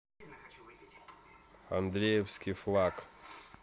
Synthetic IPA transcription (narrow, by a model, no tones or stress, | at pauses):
a̰nd̪ɾʲejefskʲiflˠak